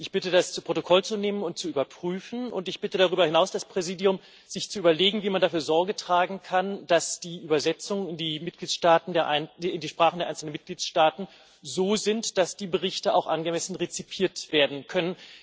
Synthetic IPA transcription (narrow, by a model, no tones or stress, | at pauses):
ʔɪçb̥ɪtədast͡supʁ̥otokʰɔlt͡suneːmənʊnt̚t͡suʔyːbɐpʁ̥yːfn̩ʊ̰ntɪçb̥ɪtədaʁyːbɐhɪnaʊsd̥aspʁ̥ɛziːdiʊm | z̥ɪçt͡suʔyːbɐleːɡŋ̩viːmandafyːɐzɔɐɡətʁ̥aːɡŋ̩kʰand̥asd̥iːʔyːbɐzɛt͡sʊŋənɪndiːmɪt̚ɡ̥liːtʃtaːtn̩deːɐʔaɪnɪndiːʃpʁ̥aːχndeɐaɪnsl̩nənmɪt̚ɡ̥liːtʃtaːtn̩ | zoːzɪntd̥asd̥iːbəʁ̞ɪçtəa̰ʊxʔanɡəmɛsn̩ʁet͡sipʰiːɐtv̥eːɐdn̩kʰœnən